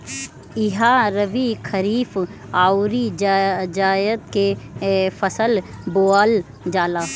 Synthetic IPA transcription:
ɪɦaɾəʋikʰəɾiːf | aːʊɾid͡ʒd͡ʒaːjəd̪̚kefɐsəlboːaːl | d͡ʒaːlaː

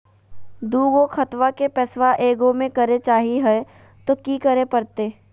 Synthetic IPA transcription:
d̪uːɡokʰɐt̪ʋakepɛːsʋaʔeːɡõmẽkɐɾet͡ʃaːɦiɦɛ | t̪okiːkəɾepɐɾt̪eː

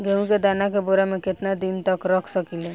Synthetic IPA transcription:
ɡʱeũked̪anak̬eboɾamẽket̪nad̪int̪əkɾəkʰsəkile

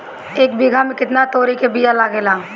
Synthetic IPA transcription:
eːkbɪɡʱamẽkɪt̪nat̪oːɾikebijalaːɡeːlaː

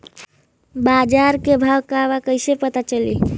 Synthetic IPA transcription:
bad͡ʒaɾkebʱawkabakəɪsepət̪at͡ʃəlḭ

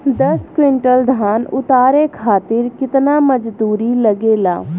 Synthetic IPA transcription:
d̪ɐskwɪɳʈəld̪ʱaːnʊt̪aːɾekʰaːt̪ɪɾkɪt̪naməd͡ʒd̪uːɾiləɡeːla̰ː

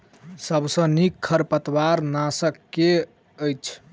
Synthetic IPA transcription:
səbsə̃nikʰːəɾpət̪waɾnasəkːe | əjt͡ʃʰ

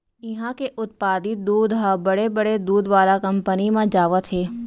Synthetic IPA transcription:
ɪɦãkeʔʊt̪̚paːd̪ɪt̪̚d̪uːd̪ɦabɐɽebɐɽed̪uːd̪ʋaːlakɐ̃mpənimãd͡ʒaːʋət̪ɦeː

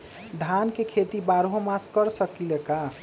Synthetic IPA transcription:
d̪ʱankekʰet̪ibaɾɦomaskəɾsʌkileka

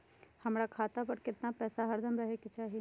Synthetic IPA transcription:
hɐmɾakʰaːt̪apɐɾkɪt̪napɛːsaɦɐɾd̪ʱəmɾɐɦekit͡ʃaːɦi

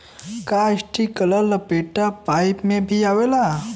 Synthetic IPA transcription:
kaəɕʈikəlaləpeʈapajpmebʱiaʋela

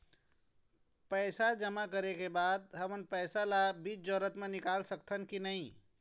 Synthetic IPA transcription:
pəɪsad͡ʒəmakəɾekebaːd̪̚ɦəmənpɛːsalabiːt͡ʃd͡ʒɔɾət̪mẽnɪkaːlsəkt̪ʰənkinəĩ

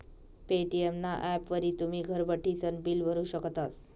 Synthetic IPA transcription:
peʈiemnaʔɛpʋəɾiːt̪umiːɡʱəɾbəʈit͡sənbiːlbʱəɾuːɕəkt̪as

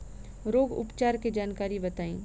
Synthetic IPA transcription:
ɾoːɡʊ̰pt͡ʃaːɾked͡ʒaːnkaːɾibɐt̪aːĩː

